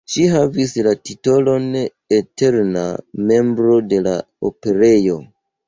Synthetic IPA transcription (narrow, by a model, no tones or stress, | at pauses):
ʃiɦavislatito̞lo̞n | ete̞ɾna̰me̞mbɾo̞de̞la | o̰pe̞ɾe̞jo̞